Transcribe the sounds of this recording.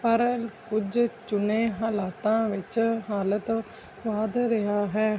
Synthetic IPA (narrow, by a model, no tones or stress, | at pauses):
pəɾkʊd͡ʒt͡ʃʊneːɦaːlaːt̪ãːʋɪt͡ʃɦaːlət̪ | ʋaːd̪ɾɪɦaːɦɛː